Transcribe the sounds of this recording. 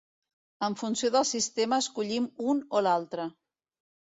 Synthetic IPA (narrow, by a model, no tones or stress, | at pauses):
əɱfunsioðəlˠsist̪eməːskuʎimunolalˠt̪ɾə